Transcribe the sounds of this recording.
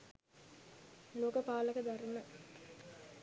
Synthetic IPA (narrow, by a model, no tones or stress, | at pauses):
loːkəpaːləkəd̪ɐɾunə